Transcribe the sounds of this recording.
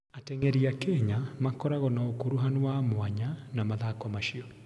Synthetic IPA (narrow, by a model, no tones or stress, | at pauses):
atɛŋɛɾiakɛɲamakɔɾaɣɔnaokoɾuɦanowamwaɲanamaðakɔmaʃiɔ